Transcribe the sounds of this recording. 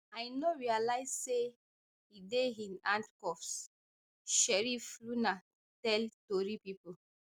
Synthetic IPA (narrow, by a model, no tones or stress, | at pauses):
ajnoɹialajsse | hideɦĩnãntkɔfs | ʃɛɹifluna | tɛltoɹipipu